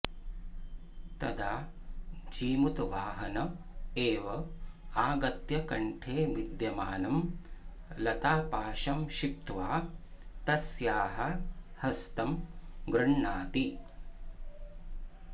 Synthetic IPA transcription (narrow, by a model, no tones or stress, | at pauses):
t̪ɐd̪ʱaː | d͡ʒiːmut̪ʋaːɦɐnɐ | eːʋɐaːɡɐt̪jɐkɐɳʈʰeːʋid̪jɐmaːnɐm | lɐt̪aːpaːʃɐmʃip̚t̪ʋaːt̪ɐsjaːɦɐhɐst̪ɐmɡɾɐɳːaːt̪i